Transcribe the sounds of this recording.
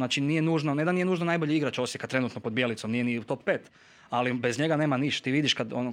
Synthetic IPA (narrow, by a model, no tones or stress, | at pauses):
naːt͡ʃinije̞nuːʒnoned̪anije̞nuːʒnonajboʎeiɡɾat͡ʃo̞sjekat̪ɾe̞nut̪nopo̞d̪bjelit̪somnijeniut̪o̞ppeːt̪ | alibezɲeɡane̞ːmaniʃt̪t̪iːʋid̪iʃkad̪on